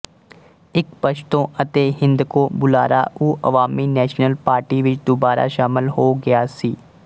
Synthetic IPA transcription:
ɪkpəʃt̪õʔɐt̪eɦɪ̃nd̪kobʊla̰ːɾa̰uːʔɐ̰ʋaːminɛːʃnəlpaːɾʈiʋɪt͡ʃd̪ʊbaːɾʔa̰ʃaːmɪlɦoːɡɐjaːsiː

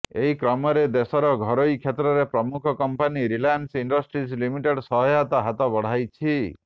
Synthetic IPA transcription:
eɦikɾɔmɔɾed̪esɔɾɔɡʱɔɾojkʰjet̪ɾɔɾepɾɔmukʰɔkɔmpaniɾilansiɳɖɔsʈɾislimiʈeɖsɔɦɔjat̪aɦat̪ɔbɔɽ̤ajt͡ʃʰi

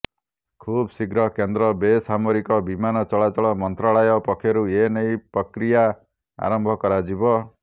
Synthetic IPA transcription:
kʰubsiɡɾɔkend̪ɾɔbesamoɾikɔbimanɔt͡ʃɔɭat͡ʃɔɭɔmɔnt̪ɾaɭajɔpɔkʰːjɔɾuenejpɾɔkɾija | a̰ɾɔmbʱɔkɔɾad͡ʒibɔ

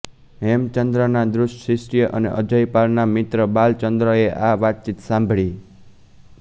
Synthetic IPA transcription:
ɦemt͡ʃənd̪ɾənad̪ɾʊsʈsɾisʈijəʔənḛʔə̰d͡ʒəjpalnamit̪ɾəbalt͡ʃənd̪ɾəeʔaʋat̪̚t͡ʃit̪sãmbʱɭi

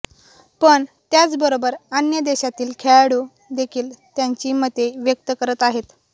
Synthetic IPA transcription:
pəɳt̪jat͡sbəɾobəɾanjəd̪eɕat̪iːlkʰeɭɽuː | d̪ekʰiːlt̪jaɲt͡ɕiːmət̪ːeʋjək̚t̪əkəɾət̪aɦet̪

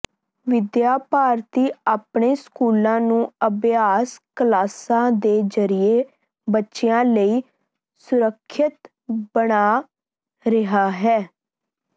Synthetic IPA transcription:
ʋɪd̪jaːpaːɾt̪iːaːpɳeːskuːlãːnũːəbjaːskəlaːsãːd̪eːzəɾieː | bətːʃeãːləiː | sʊɾəkʰːɪt̪ | bəɽaː | ɾɪɦaːɦɛː

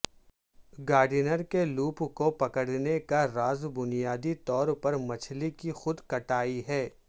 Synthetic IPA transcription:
ɡaːɖinəɾkeluːpkopɐkəɽnekaɾaːzbʊnijaːd̪it̪ɔːɾpɐɾmɐt͡ʃʰlikixʊd̪kɐʈaːiɦɛː

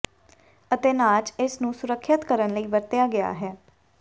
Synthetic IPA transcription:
ət̪eːnaːt͡ʃɪsnũːsʊɾəkʰːət̪kəɾənləiːʋəɾt̪ɪjaːɡɪa̰ːɦɛː

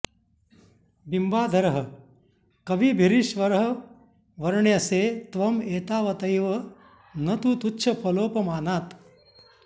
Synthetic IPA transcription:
bimbaːd̪ʱɐɾɐɦɐ̆ | kɐʋibʱiɾiʃʋɐɾɦɐ | ʋɐɾɳjɐseːt̪ʋɐmeːt̪aːʋɐt̪ɐjʋɐ | nɐt̪ut̪utːʃʰɐpʰɐloːpɐmaːnaːt̪

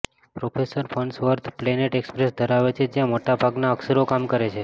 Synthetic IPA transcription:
pɾofʰesəɾfʰəɳsʋəɾt̪ʰpleneʈekspɾesd̪ʱəɾaʋet͡ʃʰed͡ʒjãmoʈabʱaɡnaəksəɾokamkəɾet͡ʃʰe

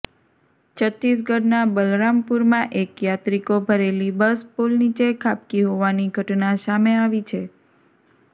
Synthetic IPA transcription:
t͡ʃʰət̪ːis̬ɡəɾnabəlɾampuɾmãʔekjat̪ɾikobʱəɾelibəspolnit͡ʃekʰap̚kiɦoʋaniɡʱəʈnasameaʋit͡ʃʰe

